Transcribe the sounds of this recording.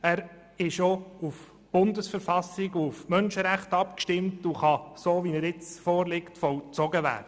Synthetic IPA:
æːɾ | ɪʃouf | b̥ʊndəsfəɾfɑsɪɡuufmœnʃəɾæχtɑp̚kʃtɪmtuχɑsoːʋinæɾɪt͡sfɔːɾlɪktfɔwt͡sɔɡəʋæ̰ːɾdə

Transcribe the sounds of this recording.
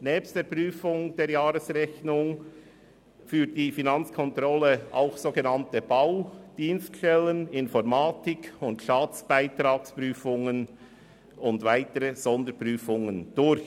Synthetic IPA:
nɛːpstd̥eːɾpʁyːfʊŋd̥eːɾjaːɾəsɾɛçnʊŋ | fyːt̚d̥iːfinɑnt͡skʰɔntɾɔləa̰ʊxsoːɡənɑntəb̥aʊd̥iːnstʃtɛlənɪnfɔɾmaːtɪkʰʊntʃaːt͡sb̥aɪtɾaːkspɾyːfʊŋən | ʊndvaɪtəɾəz̥ɔndəɾpɾyːfʊŋənd̥ʊɾç

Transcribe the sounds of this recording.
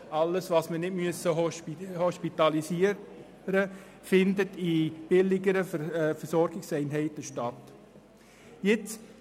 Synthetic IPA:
ɑləsvɑsmənɪdmyəsəɦɔhɔʃpitɑlisiə | ɾə | fɪndətib̥ɪlɪɡəɾəfəsɔɾɡɪksɛɪnɦɛɪtəʃtɑt | jɪt͡s

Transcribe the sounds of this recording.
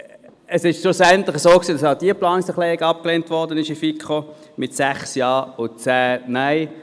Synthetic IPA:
əsɪʃsosɛntlɪχəsoːksiːdɑsaʊd̥iːplɑːnɪsəχleːʁɪɡɑp̚kleːntʋɔʁdənɪʃifikχo | mɪtsæχsjɑːʊt͡sæːnaɪ

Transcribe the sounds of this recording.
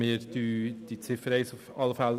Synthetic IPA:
ɪːɾd̥̪yːd̪̥it͡sɪfəɾɛɪsʊfɑləfɛl

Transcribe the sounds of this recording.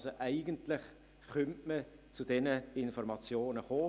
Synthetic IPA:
soʔæɪɡəntlɪχ | χœntmə | t͡sud̥ɛnəɪnfɔrmɑt͡sjoːnəχoː

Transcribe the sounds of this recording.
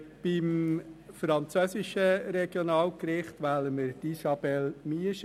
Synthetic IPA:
b̥ɪmfɾɑnt͡søːsɪʃəɾɛɡ̥jonɑːlkɾɪχt̪ʋæləməɾtisɑb̥ɛlmiəʃ

